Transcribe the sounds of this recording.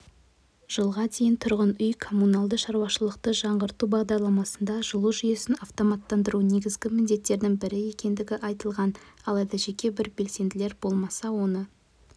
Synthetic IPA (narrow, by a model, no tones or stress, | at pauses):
ʒ̥əlˠʁɑd̪e̞jɪnt̪ʰʊɾʁənʏjkʰo̞munɑlˠd̪əʃɑɾuwɑʃəlˠəq̚t̪əʒɑɴʁəɾt̪ubɑʁd̪ɑɾlˠɑmɑsənd̪ɑʒəlˠuʒʏjesɪnɑft̪o̞mɑt̪ːɑnd̪əɾune̞ɡʲɪzɡʲɪmɪnd̪e̞t̪ːe̞ɾd̪ɪŋbɪɾɪje̞kʲe̞nd̪ɪɡʲɪʔɑjt̪əlˠʁɑnɑlˠɑjd̪ɑʒe̞kʲe̞bɪɾbe̞lse̞nd̪ɪle̞ɾbo̞lˠmɑsɑwo̞nə